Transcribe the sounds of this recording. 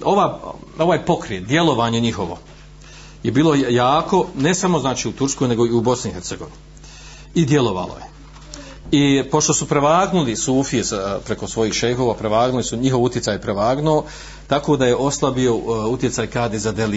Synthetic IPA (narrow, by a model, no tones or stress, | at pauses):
oʋaːo̞ʋaːjpo̞kɾeːt̪d̪je̞lˠo̞ʋaːɲeɲixo̞ʋo̞̰ | jebiːlo̞jaːko̞ne̞samo̞znaːt͡ʃiːut̪uɾskoːjne̞ɡo̞iubo̞sniɦeɾt̪seɡo̞ʋin | id̪je̞lˠo̞ʋa̰lo̰je | ipo̞ʃt̪o̞supɾeʋaːɡnulisuːfijesapɾekosʋo̞jiːxʃejɦo̞ːʋapɾeʋaːɡnulisuɲiɦoʋut̪jetsaːjpɾeʋaːɡnoː | t̪akoːd̪aje̞ʔo̞slˠabio̞ut̪je̞t̪saːjkaːd̪ezad̪eli